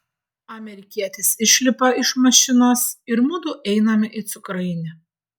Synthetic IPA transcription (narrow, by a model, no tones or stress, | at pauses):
ɐmʲɛɾʲɪkʲiɛt̪ʲɪsɪʃʲlʲɪpɐɪʃmɐʃʲɪnosɪɾmʊd̪ʊʔɛɪnɐmʲɪʔɪt̪sʊkɾɐɪnʲɪ